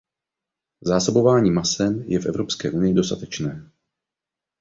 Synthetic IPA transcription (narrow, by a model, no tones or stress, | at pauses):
zaːsobo̞vaːɲiːmasɛmjɛfʔɛvɾopskɛ̰ːʔunɪjɪdo̞st̪at̪ɛt͡ʃnɛː